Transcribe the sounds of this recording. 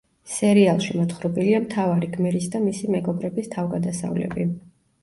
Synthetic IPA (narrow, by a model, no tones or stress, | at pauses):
sɛɾialˠʃimɔt̪χɾɔbiliamt̪ʰavaɾiɡmɛɾis̬d̪amisimɛɡɔbɾɛbist̪ʰavɡad̪asa̰vlɛ̰bi